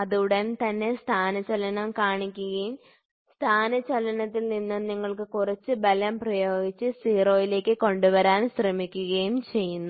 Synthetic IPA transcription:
ɐðuɽɐnt̪ɐnːe̞st̪ʰaːnɐt͡ɕɐlɐnɐmkaːɳikʲːuɣɐjum | st̪ʰaːnɐt͡ɕɐlɐnɐt̪ːilninːɨniŋːɐɭkɨkurɐt͡ɕːɨbɐlɐmprɐjo̞ːɡit͡ɕːɨsiːroːjile̞ːkːɨko̞ɳɖuʋɐɾaːnsrɐmikʲːuɣɐjumt͡ɕe̞jːunːu

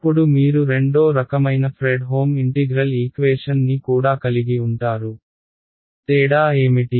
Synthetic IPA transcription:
ɐpːuɽumiːɾuɾe̞ɳɖo̞ːɾɐkɐmɐjnɐpʰɾeːɖɦo̞ːmiɳʈiɡɾɐliːkʋeːʂɐnːikuːɽaːkɐliɡiuɳʈaːɾu | t̪eːɽaːeːmiʈi

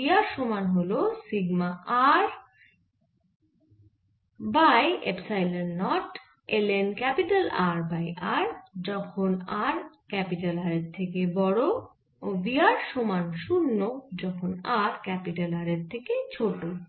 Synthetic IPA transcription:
iaɾʃomanɦolosiɡmaʔaɾ | bajḛpsajleːɔʈ | elenkɛpiʈalaɾbajaɾd͡ʑɔkʰonaɾkɛpiʈalaɾeɾt̪ʰekebɔɽo | obiaɾʃomanʃunːod͡ʑɔkʰonaɾkɛpiʈalaɾeɾt̪ʰeket͡ɕʰoʈo

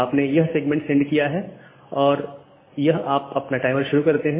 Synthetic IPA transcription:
aːpnejɐɦseːɡmɛ̃ɳʈsɛ̃ɳɖkijaɦɛ | ɔːɾ | jɐɦaːpɐpnaʈaːɪməɾʃʊɾukɐɾt̪eɦɛ̃

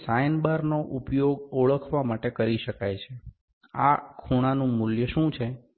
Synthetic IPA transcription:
sajnbaɾnoʔupjoɡəɭəkʰʋamaʈekəɾiʃəkajt͡ʃʰe | a̰kʰuɽ̃anũmʊljəʃũt͡ʃʰe

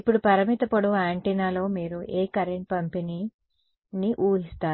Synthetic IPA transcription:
ipːuɽupɐɾɐmit̪ɐpɐɽuaːɳʈinaːlo̞ːmiːɾuʔeːkɐɾeɳʈ̚pɐmpeni | niʔuːɦist̪aːɾ

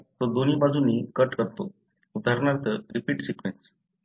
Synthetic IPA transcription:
t̪od̪onibad͡zʱunikəʈkəɾt̪o | ud̪ʱaɾnat̪əɾipiːʈsikʋens

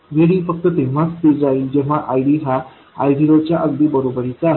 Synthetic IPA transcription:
ʋʱeɽiːfək̚t̪ət̪ẽʋ̤at͡st̪ed͡zaɦild͡ʑɛ̃ʋ̤aʔajɽiɦa | a̰jɖiɾot͡ɕjaʔəɡd̪iːbəɾobəɾit͡sa

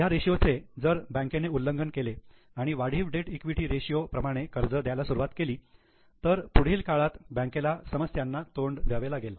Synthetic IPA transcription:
jaɾeɕijot͡sed͡zəɾbə̃ŋkeneulːəŋɡənkele | aɽ̃iʋaɽ̤iːʋɖeʈikʋiʈiːɾeɕijopɾəmaɽ̃ekəɾd͡zəd̪jajlasuɾuʋat̪keliː | t̪əɾpuɽ̤iːlkaɭat̪bə̃ŋkelasəməsjanːat̪oɳɖʋjaʋelaɡel

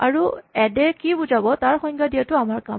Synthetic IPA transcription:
aɹuɛdɛkibuzabɔtaɹxɔjŋɡadijatʊamaɹka

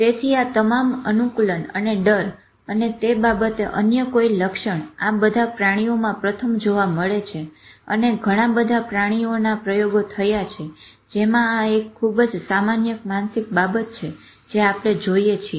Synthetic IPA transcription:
t̪et̪ʰiat̪əmamənukulənə̰neɖəɾ | ənet̪ebabət̪eʔə̰njəkoiləkʃəɳabəd̪ʱapɾaɽ̃iomãpɾət̪ʰəmd͡ʒoʋaməɭet͡ʃʰeə̰neɡʱəɽ̃ãbəd̪ʱapɾaɽ̃ionapɾəjoɡot̪ʰəjat͡ʃʰe | d͡ʒemãaekʰːubd͡ʒsamanjəkmansik̚babət̪̚t͡ʃʰe | d͡ʒeapɽ̃ed͡ʒoijet͡ʃʰie

